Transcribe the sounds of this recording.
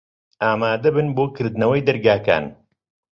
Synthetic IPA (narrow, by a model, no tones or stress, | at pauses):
aːmaːd̪ɐbɨnboːkʰɨɾd̪ɨnɐwɐjd̪ɐɾɡaːka̰ːn